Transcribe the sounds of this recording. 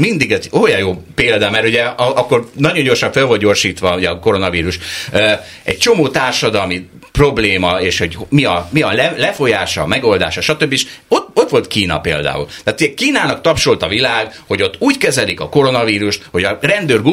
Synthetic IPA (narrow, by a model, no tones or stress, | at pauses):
mind̪iɡɛzoːjɒjoːpeːld̪ɒmɛɾuɟɛɒɒkːo̞rnɒɟoɲɟo̞rʃɒɱfelvo̞ld̪ɟorʃiːt̪ʋɒuɟɛɒko̞ɾo̞nɒviːɾuʃø | ɛ̰c̚t͡ʃo̞moːt̪aːrʃɒd̪ɒlmi | pro̞bleːmɒeːʃho̞ɟmiɒmiɒlɛlɛfo̞jaːʃɒ̰mɛɡo̞ld̪a̰ːʃɒʃɒt̪øbːieʃot̪o̞t̪ʋo̞lt̪kiːnɒ̰peːld̪a̰ːṵlt̪aːt̪uɟɛkiːnaːnɒkt̪ɒpʃo̞lt̪ɒvilaːɡho̞ɟo̞t̪ːuːɟkɛzɛlikɒko̞ɾo̞nɒviːɾuʃt̪ho̞ɟɒrɛnd̪øːrɡu